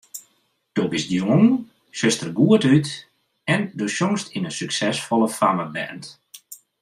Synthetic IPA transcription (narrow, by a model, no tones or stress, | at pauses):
d̥obɪsdjoŋ | søstərɡuətyt | ɛndosjoŋstinənsyksɛsfɔlˠəfaməbɛ̰nt